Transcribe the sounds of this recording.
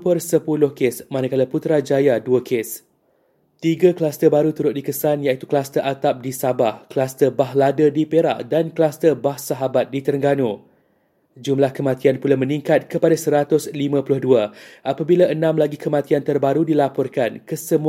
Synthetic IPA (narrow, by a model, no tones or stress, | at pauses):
pərsəpulʊhkesmãnakalaput̪ɾad͡ʒajaduakʰes | t̪iɡaklast̪əbaɾut̪uɾʊt̪̚dikəsanjait̪u̥klast̪əʔat̪ap̚disabahklast̪əbaɦladədipeɾa̰ʔdanklast̪ərbahsaɦabat̪̚dit̪ərŋɡano | d͡ʒumlahkəmãt̪ianpulamə̃nĩŋkat̪̚kəpadasəɾat̪ʊslimãpulʊhduaʔapabilaʔənãmlaɡikəmãt̪iant̪ərbaɾudilapɔrkankəsəmu